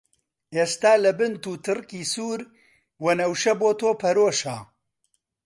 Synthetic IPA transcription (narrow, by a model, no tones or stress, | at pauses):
ʔeːst̪aːlɐbɨnt̪uːt̪ʰɨrkiːsuːɾ | wɐnɐwʃɐboːt̪ʰoːpʰɐɾoːʃaː